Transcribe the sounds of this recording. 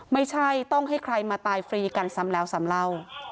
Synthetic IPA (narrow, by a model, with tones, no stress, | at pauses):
ma˥˩jt͡ɕʰa˥˩jt̪ɔ˥˩ŋɦa˥˩jkʰɾa˧jmaː˧t̪aː˧jfɾiː˧ka˧nsa˦˥mlɛː˦˥wsa˨˦mla˥˩w